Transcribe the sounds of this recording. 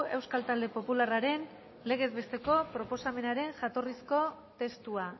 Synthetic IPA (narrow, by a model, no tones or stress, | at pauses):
e̞wskalt̪ald̪e̞po̞pularaɾe̞n | le̞ɣ̞e̞zβe̞st̪e̞ko̞pɾo̞po̞same̞naɾe̞ŋʝat̪o̞risko̞ | t̪e̞st̪ua